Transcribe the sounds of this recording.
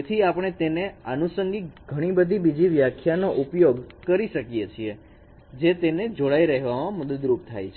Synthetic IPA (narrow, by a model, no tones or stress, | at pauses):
et̪ʰiapɽ̃et̪eneənusəŋɡiɡʱəɽ̃ibəd̪ʱibid͡ʒiʋjakʰjanoʔupjoɡkəɾiʃəkijet͡ʃʰie | d͡ʒet̪ened͡ʒoɽaiɾəɦeʋamãməd̪əd̪ɾup̚t̪ʰa̰jt͡ʃʰ